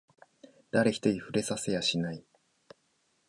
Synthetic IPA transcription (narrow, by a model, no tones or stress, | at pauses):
d̪̥aɾe̞çi̥t̪o̞ɾʲiɸɯ̟ɾe̞sasejaɕinai